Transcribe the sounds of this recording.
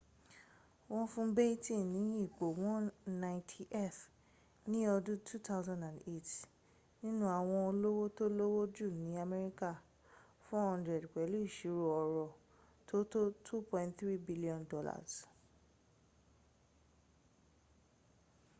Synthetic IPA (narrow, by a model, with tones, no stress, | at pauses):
w̃ɔ̃˦fũ˦bɛ˦i˦tĩ˦˨nĩ˨˦i˦˨k͡po˨wɔ̃˦nã˦˧tʰi˦ʔɛ˦˨f | nĩ˦ɔ˧dũ˦tʰu˦tʰa˦ʊzã˦ndã˨nde˦˨t | nĩ˦nũ˦a˦˨w̃ɔ̃˧o˧lo˦wo˦to˦lo˦wo˦d͡ʒu˦˨nĩ˨˦a˧mɛ˧ɾi˦ka˦˨ | fɔ˦hɔ̃˧ndɾɛ˨dk͡pɛ˨˦lu˦i˦˨ʃi˨˦ɾo˨ɔ˧ɾɔ˧ | tʰo˦to˦tʰu˦pɔ̃˧ntθɾi˦bi˦li˦ɔ̃˨ndɔ˦la̰˦˨s